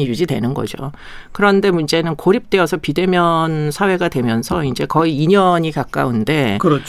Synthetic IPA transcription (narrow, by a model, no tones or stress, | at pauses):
ijud͡ʑidwe̞̰nɯnɡʌ̰d͡ʑo̰ | kɯɾʌnde̞mund͡ʑe̞nɯnkoɾip̚t͈e̞ʌsʰʌpide̞mjʌnsʰawe̞ɡadwe̞mjʌnsʰʌind͡ʑe̞kʌiːɲʌɲikak͈a̰unde̞kɯɾʌt͡ɕ